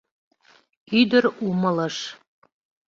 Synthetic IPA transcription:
yd̪ɘ̆ɾumɤ̆lɤ̆ʃ

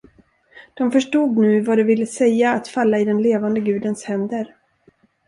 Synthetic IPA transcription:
d̪̥ɔmfœʂʈuːɡ̪nʉ̟ːvad̪ɛvɪlːəsɛjːaːt̪falːaɪd̪ɛnleːvand̪əɡʉ̟ːd̪ənshɛnd̪əɾ

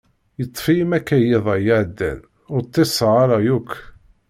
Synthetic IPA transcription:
jət̪ˤːfimækːæjɪðˤæjəʕd̪ːæ̰n | ʊɾt̪ˤːesˤəʁaɾɑjukʷː

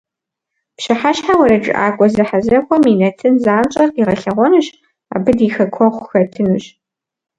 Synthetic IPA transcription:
pɕɪħaɕħawɐɾɐd͡ʒʼɪ̰ʔa̰ːkʷʼɔzɐħazɐkʷʰʼɔminɐtʰɨnzaːmt͡ʃʼɐriʁɐɬɐʁʷɔnɨɕ | a̰ːbɨdiːxɐkʷʰɔʁʷxɐtʰɨnuːɕ

